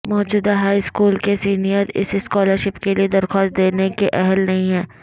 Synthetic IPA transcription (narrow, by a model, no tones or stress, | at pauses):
mɔːd͡ʒuːd̪aɦaːiskuːlkesiːnijəɾɪ̰sɪskɔːləɾʃɪpkelied̪ɐɾxɔːst̪̚d̪eːnekeʔɛɦɛlnɐɦĩɦɛː